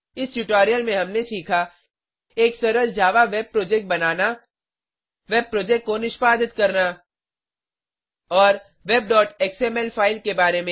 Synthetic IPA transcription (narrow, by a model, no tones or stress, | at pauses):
ɪsʈuʈaːɾijəlmẽɦɐmneʃiːkʰa | eːksɐɾəld͡ʒaːʋaʋeb̚pɾoːd͡ʒɛk̚ʈ̚bɐnaːna | ʋeːb̚pɾoːd͡ʒɛk̚ʈ̚konɪʃpaːd̪ɪt̪kɐɾna | ɔːɾ | ʋeːb̚ɖɔːʈeːkseːmɛlpʰaːɪlkebaːɾemẽ